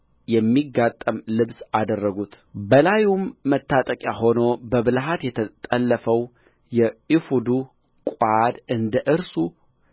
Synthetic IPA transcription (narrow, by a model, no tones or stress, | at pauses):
jɛmːiɡat̪ʼːəmlɨβsad̪ərːəɡut̪bəlajumːət̪ʰːat̪ʼəkʼjaho̞no̞bəβɨlɦat̪jɛt̪ʰət̪ʼəlːəfəw | jɛifud̪u | kʼad̪ɨnd̪əʔɨɾsu